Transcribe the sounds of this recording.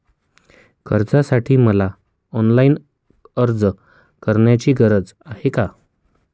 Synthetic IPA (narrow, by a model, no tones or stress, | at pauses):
kəɾd͡zasaʈʰiːməla | ɔnlaiːn | əɾd͡z | kəɾɳjat͡ɕiːɡəɾəd͡zaɦeka